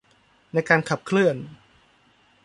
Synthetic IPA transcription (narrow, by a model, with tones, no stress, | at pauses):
na˧jkaː˧nkʰa˨˩p̚kʰlɯ˥˩ən